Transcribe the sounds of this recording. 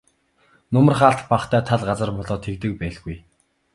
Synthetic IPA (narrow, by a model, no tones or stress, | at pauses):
nʊmə̆rχaːɬt̪paχt̪ʰæːt̪ʰaɮɢat͡sə̆rpɔɮɔːt̪ʰekt̪ɘ̆k̚pæːɮɣuj